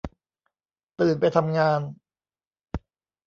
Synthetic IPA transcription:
t̪ɯː˨˩npa˧jt̪ʰa˧mŋaː˧n

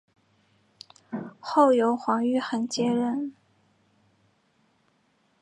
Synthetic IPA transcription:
xo˥˩ʊjo˧˥ʊxwɑ˧˥ŋy˥˩xə˨˩nt͡ɕjɛ˥ɻə˥˩n

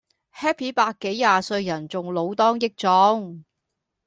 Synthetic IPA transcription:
hɛː˥pʰi˨˥paː˧kːe˨˥jːaː˨sɵ˧ɥjɐ˨˩nt͡sʊ˨ŋlo˨˧wt̪ɔː˥ŋjɪ˥k̚t͡sɔː˨˥ŋ

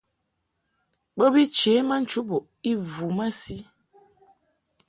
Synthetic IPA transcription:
ɓə˦bi˦t͡ʃe˨˦ma˦n̩˦t͡ʃu˦bo˨ | i˦vu˨ma˦si˦

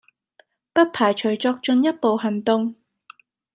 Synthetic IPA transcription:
pɐ˥t̚pʰaː˨˩jt͡ʃʰɵ˨˩ɥt͡sɔː˧k̚t͡ʃɵ˨˧njɐ˥t̚po˨wɦɐ˨˩nt̪ʊ˧ŋ

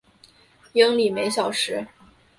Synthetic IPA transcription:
jɤ˥ŋli˨˩me˧˥ɪɕjɑ˨˩ʊʂɻ̩˧˥

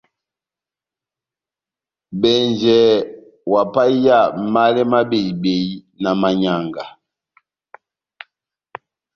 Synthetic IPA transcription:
bɛ˨nd͡ʒɛ˨˦ | wa˨pa˦ja˦˨ma˦lɛ˦ma˦be˨i˨be˨i˦ | na˨ma˨ɲa˨ŋɡa˨

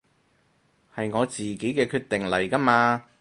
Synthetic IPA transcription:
hɐ˨jŋɔː˨˧t͡siː˨ke˨˥jkɛː˧kʰyː˧t̚t̪ɪ˨ŋlɐ˨˩jkɐ˥maː˧

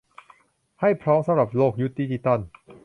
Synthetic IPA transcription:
ha˥˩jpʰɾɔː˦˥msa˧mɾa˨˩p̚loː˥˩k̚ju˦˥t̪̚diː˦˧t͡ɕi˧t̪a˥˩n

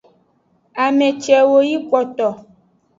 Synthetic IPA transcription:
a˨mɛ̃˨t͡ʃɛ˨wo˦ji˦kɔ˨t̪ɔ˨

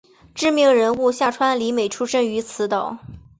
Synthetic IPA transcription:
ʈ͡ʂɻ̩˥˧mi˥˩ŋɻə˧˥nu˥˧ɕja˥˩ʈ͡ʂʰwa˥nli˧˥me˨˩ɪʈ͡ʂʰu˥ʂə˥˩ŋy˧˥t͡sʰɹ̩˧˥t̪ɑ˨˩˦ʊ

